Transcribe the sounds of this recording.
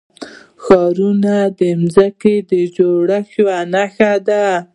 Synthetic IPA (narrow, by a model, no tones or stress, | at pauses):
xɑɾunad̪əmzəked̪əd͡ʒoɽaxwanaxad̪a